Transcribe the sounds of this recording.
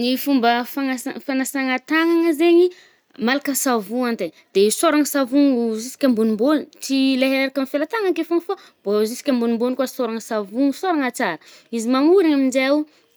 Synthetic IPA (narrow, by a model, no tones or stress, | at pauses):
nifumbəfaŋaafanasaŋat̪aŋaŋəzeɲi | malakəsavuant̪e | d̪̥esoɾaŋəsavuŋzisi̥kʲambunumbonit͡sileɦeɾakamifelat̪aŋakefomfa | b̥ozisi̥kʲambunimbonkasoɾaŋəsavuŋsoɾaŋat͡saɾə̥izimamuɾaŋamind͡ʒe